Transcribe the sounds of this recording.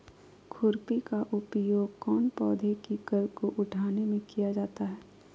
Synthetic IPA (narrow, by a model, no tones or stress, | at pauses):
kʰʊɾpikaʔʊpjoːɡ̚kɔːnpɔːd̪ʱekikəɾkoʔʊʈʰaːnemẽkijad͡ʒaːt̪aɦɛː